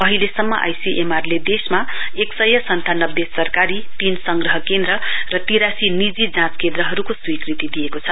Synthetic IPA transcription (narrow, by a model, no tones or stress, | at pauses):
ʌɦilesʌmːʌ̰ʔa̰jsiʔemarled̪esmaeksʌjʌsʌnt̪ʰanʌbːesʌrkaɾit̪insʌŋɡrʌɦʌkend̪ɾʌrʌt̪iɾasinid͡zid͡zãt͡skẽnd̪ɾʌɦʌɾukoswikrit̪id̪ijekot͡sʰʌ